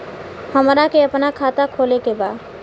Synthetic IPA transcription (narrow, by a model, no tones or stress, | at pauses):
həmɾakeəpnakʰat̪akʰolekeba